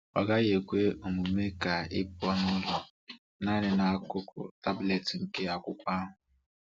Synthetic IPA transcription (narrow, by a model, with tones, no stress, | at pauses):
a˨ɡa˦ɣe˨kʷe˦o˨mu˨me˦ka˨ɪ̰˦pɔ˦nʊ˦lʊ˨ | na˦nɪ˨na˨a˨kʊ˦kʊ̰˨ta˦ble˨tŋ̩˨ke˦a˨kʷʊ˦kʷa˦ɦʊ˨